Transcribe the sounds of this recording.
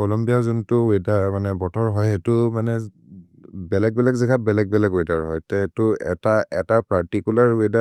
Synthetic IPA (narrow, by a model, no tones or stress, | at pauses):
kɔlɔmbijazuntʊedamanɛbɔtʰɔɹɦɔjɦetʊmanɛ | bɛlɛk̚bɛlɛkzikʰabɛlɛk̚bɛlɛkejdaɹɦɔjtɛtʊɛ̰taɛtapaɹtikulaɹeda